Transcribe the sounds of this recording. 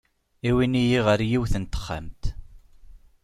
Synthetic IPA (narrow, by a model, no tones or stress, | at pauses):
iwinijiʁəɾjiwθənt̪ə̥χːa̰mt̪